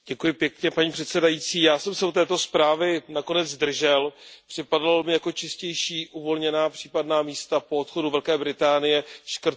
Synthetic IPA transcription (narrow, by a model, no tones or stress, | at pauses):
ɟ̥ɛkujɪpjɛkɲɛpaɲiːpr̝̥ɛt̪sɛdajiːt͡siːjaːsɛmsɛut̪ɛːt̪o̞spɾaːvɪnako̞nɛd͡zd̪r̩ʒɛlpr̥ɪpadalomɪjako̞t͡ʃɪscɛjʃiːʔuvo̞lɲɛnaːpr̥iːpadnaːmiːst̪apo̞ot̪xo̞duvɛlkɛːbɾɪt̪aːnɪjɛʃkr̩t̪